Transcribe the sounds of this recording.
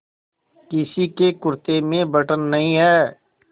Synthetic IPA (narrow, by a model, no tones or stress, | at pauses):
kɪsikekʊɾt̪emẽbəʈənːɐɦĩɦɛː